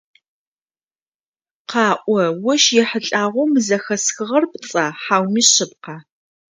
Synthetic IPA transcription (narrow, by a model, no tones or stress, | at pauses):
qɑːʔʷɔwɐʃjɛħəɬʼaːʁʷʊmɨzɐxɐsxɨʁɐrpt͡sʼaːħaːwmiːɕɪp̚qɑː